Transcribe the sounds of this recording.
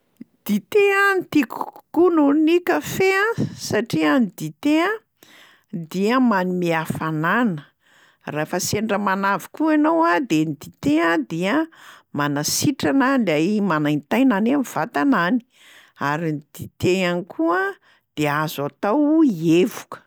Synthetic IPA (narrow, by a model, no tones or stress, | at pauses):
d̪̥it̪eant̪iku̥kununikəfeãsaʈ͡ʂiənid̪it̪eã | d̪iəmanimiafananə | rafaseɳɖ͡ʐəmanavi̥kuanowad̪enid̪it̪eãd̪iəmanasiʈ͡ʂananlajmanajnt̪ajnanamiv̥at̪anani̥ | aɾind̪̥it̪eanikʰuə | d̪̥eazat̪awievukə̥